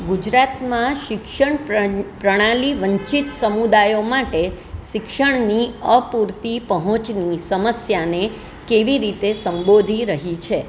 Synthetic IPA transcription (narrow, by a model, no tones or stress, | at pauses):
ɡud͡ʒɾat̪mãʃɪkʃəɳpɾəɽ̃aliʋə̃ɲt͡ʃit̪səmud̪ajomaʈe | ʃɪkʃəɳ̃niəpuɾt̪ipəɦɔ̃t͡ʃnisəməsjane | keʋiɾit̪esəmbod̪ʱiɾəɦit͡ʃʰe